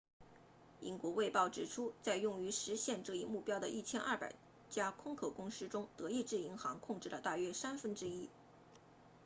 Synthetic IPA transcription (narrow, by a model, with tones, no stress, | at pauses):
ḭ˧˥nkwɔ˧˥we˥˧ɪpɑ˥˩ʊʈ͡ʂɻ̩˨˩ʈ͡ʂʰu˥t͡sa˥˧ɪjʊ˥˩ŋy˧˥ʂɻ̩˧˥ɕjɛ˥˧nʈ͡ʂɤ˥˧i˥˧mu˥˩pjɑ˥ʊd̪ə̰˨˧ʔi˥˩t͡ɕʰjɛ˥nʔaɐ˞˥˩pa̰˨˩ɪ | t͡ɕja˥kʰʊ˥ŋkʰo˨˩ʊkʊ˥ŋʂɻ̩˥ʈ͡ʂʊ˥ŋt̪ɤ˧˥i˥˧ʈ͡ʂɻ̩˥˩i˧˥ŋxɑ˧˥ŋkʰʊ˥˧ŋʈ͡ʂɻ̩˥˩lə˩t̪a˥˩ɥɛ˥sa˥nfə˥nʈ͡ʂɻ̩˥i˥